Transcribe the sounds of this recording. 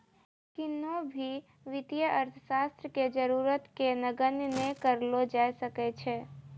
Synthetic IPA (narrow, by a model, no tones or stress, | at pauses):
kɪnõbʱi | ʋɪt̪ijəʔəɾt̪ʰəʃaːst̪ɾəked͡ʒəɾuːɾət̪kenəɡənnekəɾlod͡ʒaːesəket͡ʃʰeː